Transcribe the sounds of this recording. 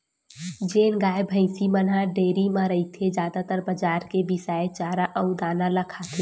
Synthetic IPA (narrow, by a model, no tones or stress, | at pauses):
d͡ʒeːnɡaːjbʱə̃ɪsimənɦaɖeːɾimãɾəit̪ʰed͡ʒjaːd̪at̪əɾbəd͡ʒaːɾkebɪsaːet͡ʃaːɾaʔəʊd̪aːnaləkʰat̪ʰe